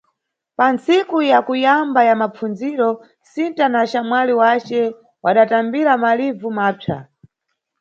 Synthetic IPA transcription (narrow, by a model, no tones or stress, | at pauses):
pant͡sikujakujambajamap͡funziɾɔ | sintanaʃamwaliwat͡ʃɛ | waɗatambiɾamalivumaːpʰa̰